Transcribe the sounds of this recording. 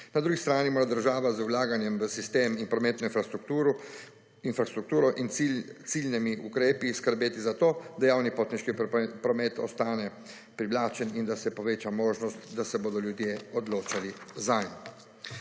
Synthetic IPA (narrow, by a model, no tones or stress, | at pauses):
nad̪ɾuːɡist̪ɾaːnimoːɾad̪əɾʒaːʋazulaːɡanjɛmʋəsist̪eːminpɾɔmɛːt̪nɔinɾu | infɾast̪ɾukt̪uːɾɔʔint̪silnɛmiʔukɾeːpiskəɾbeːt̪izat̪oːd̪ajaːwnipoːt̪niʃkipɾɔmɛːt̪ɔ̰st̪aːnɛ | pɾiʋlaːt͡ʃɛnind̪asɛpɔʋeːt͡ʃamoːʒnɔst̪d̪asɛboːd̪ɔljud̪jeɔd̪loːt͡ʃalizajn